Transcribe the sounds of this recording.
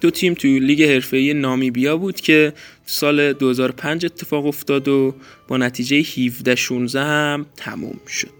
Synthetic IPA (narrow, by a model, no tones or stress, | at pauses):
d̪̥ot̪ʰiːmt̪ʰuliːɟe̞he̞ɾfe̞iːjenɒːmibijɒːbuːd̪̥cʰe̞ | sɒːle̞d̪ohe̞zɒːɾopʰænd͡ʒe̞t̪ʰːe̞fɒːɣo̞ft̪ɒːd̪o | b̥ɒːnæt̪ʰiːd͡ʒejehivd̪æʃunzæhæmt̪ʰæmṵːmʃo̞d̪̥